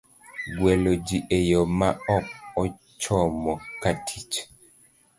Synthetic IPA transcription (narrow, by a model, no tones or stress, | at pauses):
ɡwɛlod͡ʒiʔejomaɔk̚ɔ | t͡ʃɔmɔkatʰit͡ʃ